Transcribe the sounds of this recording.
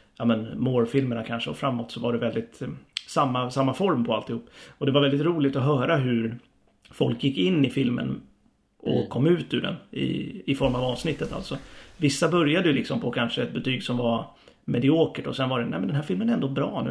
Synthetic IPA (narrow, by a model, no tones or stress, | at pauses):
jɑːmənmoːɾfɪlməɳakʰanʂəɔfɾamːɔt̪sɔvaɖɛvɛld̪ɪt̪samːasamːafɔɾmpʰɔalt̪ɪhuːpːɔd̪ɛvaɾvɛld̪ɪt̪ɾuːlɪt̪ɔɦœːɾaɦɵɾ | fɔlkjɪkːɪnːɪfɪlmə̰n | ʔɔkʰːɔmːʉ̟ːt̪ʉ̰ɖɛ̰nɪ̰ɪfɔɾmavɑːvsnɪt̪ːət̪a̰lt̪sɔvɪsːabœɾjad̪əjʉlɪksɔmpʰɔkʰanʂəɛt̪̚bɛt̪ʰyːɡsɔmva | mɛd̪ɪoːkəʈɔsɛnvaɖɛnæ̰ːmɛnd̪ɛɦæːɾfɪlmənɛɾɛnd̪obɾɑ̰ːnʉ̟ː